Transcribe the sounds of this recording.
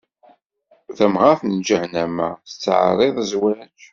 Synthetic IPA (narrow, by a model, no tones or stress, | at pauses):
θæmʁaθnd͡ʒæhnæmæst͡sːʕ̰ɾˤeðˤzwæt͡ʃ